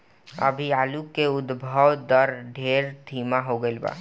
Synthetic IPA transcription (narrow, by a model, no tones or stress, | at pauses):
əbʱiaːlukeʊd̪bʱəʋd̪əɾɖʱeːɾd̪ʱiːmaɦoɡəɪlba̰ː